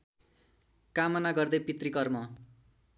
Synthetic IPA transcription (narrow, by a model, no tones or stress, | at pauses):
kamʌnaɡʌrd̪ʌjpit̪rikʌrmʌ